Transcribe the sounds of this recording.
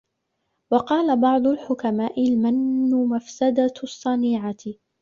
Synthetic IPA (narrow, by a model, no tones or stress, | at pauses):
wɑqɑːlabɑʕd̪ˤʊlħʊkamaːʔɪlmanːʊmafsad̪asˤːɑniːʕa